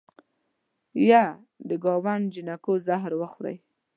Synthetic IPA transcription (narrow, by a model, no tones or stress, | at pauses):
ja | d̪əɡɑwand͡ʒinakozaɦɾwəxɾa̰j